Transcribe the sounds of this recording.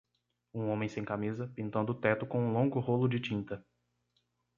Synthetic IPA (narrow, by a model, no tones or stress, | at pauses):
ũõmẽj̃sẽj̃kamizɐpĩnt̪ɐ̃nd̪ʊːt̪ɛt̪ʊkõũlõŋɡʊɦolʊd͡ʒɪt͡ʃĩnt̪ɐ